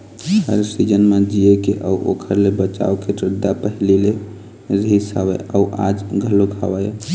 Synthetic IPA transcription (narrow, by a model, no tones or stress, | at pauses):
əɾsid͡ʒənmed͡ʒiekeʔəuʔo̰kʰəɾlebət͡ʃa̰okeʈɾəd̪apəɦlile | ɾəɦisəwɛ̰ʔəuʔa̰d͡ʒɡʱəloɡʱa̰wəj